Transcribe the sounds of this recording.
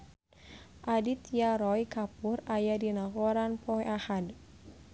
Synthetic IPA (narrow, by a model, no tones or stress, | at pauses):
ʔadit̪jaɾɔjkapurajadinakɔɾanpɔɛʔahad